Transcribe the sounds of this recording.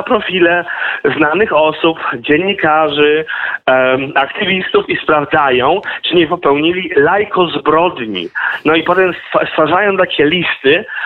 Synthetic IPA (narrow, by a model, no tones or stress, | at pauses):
apɾɔfʲilɛznanɘxɔsupd͡ʑɛɲːikaʐɘ | akt̪ɘvʲist̪ufispɾavd̪zajɔ̃w̃t͡ʂɘɲɛpɔpɛwɲilʲilajkɔzbɾɔd̪ɲḭnɔipɔt̪ɛmst̪ast̪faʐajɔ̃w̃t̪akʲɛlʲist̪ɘ